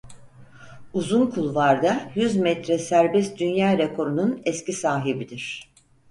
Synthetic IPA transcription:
uzunkʰulˠvaɾd̪ajyzmɛt̪ɾɛsæɾbɛst̪d̪ynjaːɾekʰo̞ɾununɛscisaːɦibid̪iɾ̥

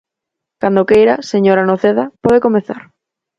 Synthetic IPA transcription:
kand̪okejɾaseɲoɾanoθeðapɔðekomeθa̰ɾ

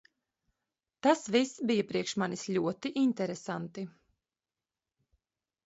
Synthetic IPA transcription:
t̪asvisbijapɾiɛkʃmanislʲuɔt̪iʔint̪ɛɾesant̪i

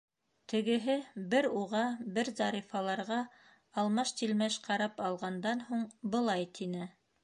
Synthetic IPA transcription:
t̪ɘ̆ɡɘ̆ɦɘbɘɾuʁɑbɘɾzɑɾifɑlˠɑɾʁɑ | ɑlˠmɑʃt̪ilmæʃqɑɾɑpɑlˠʁɑnd̪ɑnhuɴbɤ̆lˠɑjt̪ʰinɘ

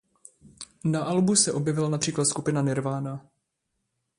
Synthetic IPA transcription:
naʔalbusɛʔo̞bjɛvɪlanapr̥iːklat̪skupɪnanɛɾvaːna

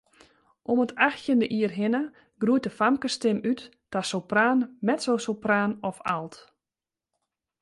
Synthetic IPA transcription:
ʔomətaxtjəndəʔiərɦɪnə | ɡ̥ruəjt̚dəfamkəstɪmytː | asowpraːnmɛtsowsowpraːnɔfa̰lˠt

